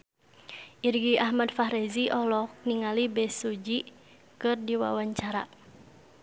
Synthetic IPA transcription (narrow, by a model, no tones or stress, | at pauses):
ʔirɡiahmadfaɦɾɛziʔɔlɔk̚niŋalibɛsud͡ʒi | kɨrdiwa̰waɲt͡ʃaɾa̰